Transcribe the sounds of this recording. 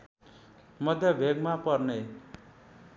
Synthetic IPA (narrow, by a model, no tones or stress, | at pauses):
mʌd̪ʱjʌbʱeɡmapʌrne